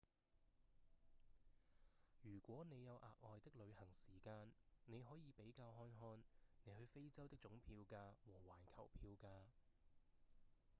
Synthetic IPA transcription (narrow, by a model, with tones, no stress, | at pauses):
jyː˨˩kʷɔː˨˥ne˨˧jjɐ˨˧wʔa̰ː˨k̚lɔː˨jt̪ɪ˥k̚lɵ˨˧ɥhɐ˨˩ŋsiː˨˩kaː˧nːe˨˧jɦɔː˨˥jiː˨˧pe˨˥jkaː˧wɦɔː˥nɦɔː˥nne˨˧jhɵ˧ɥfe˥jt͡sɐ˥wt̪ɪ˥k̚t͡sʊ˨˥ŋpʰiː˧wkaː˧wɔː˨˩waː˨˩nkʰɐ̰˨˩wpʰiː˧wkaː˧